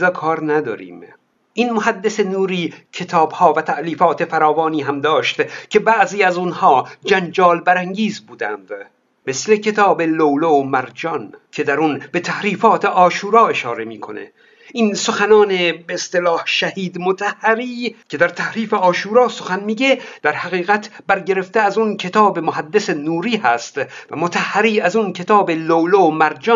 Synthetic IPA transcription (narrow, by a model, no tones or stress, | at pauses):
zɒːkʰɒːɾnæd̪ɒ̰ːɾḭːm | ʔinmoɦæd̪ːese̞nuːɾiːcʰe̞t̪ʰɒːbhɒːvæt̪ʰæʔliːfɒːt̪ʰe̞fæɾɒːvɒːniːɦæmd̪ɒːʃt̪cʰe̞bæʔziːæzunhɒːd͡ʒænd͡ʒɒːlbæɾæŋɟiːzbuːd̪æ̰nd̪̥ | mesle̞cʰe̞t̪ʰɒːbelowlomæɾd͡ʒɒnkʲʰe̞d̪æɾunbe̞t̪ʰæhɾiːfɒːt̪ʰe̞ʔɒːʃuːɾɒːe̞ʃɒːɾe̞miːkʰo̞̰nḛ | iːnsoxænɒːnebeːst̪elɒːhʃæhiːd̪mot̪ʰæhːæɾiːcʰe̞d̪æɾt̪ʰæhɾiːfe̞ɒːʃuːɾɒːso̞xænmiːɟed̪̥æɾhæɣiːɣæt̪ʰbæɾɟe̞ɾe̞ft̪eæzuncʰe̞t̪ʰɒːbemohæd̪ːesenuːɾiːhæst̪væmot̪ʰæhːæɾiːæzunkʰe̞t̪ʰɒːbelowlomæɾd͡ʒɒ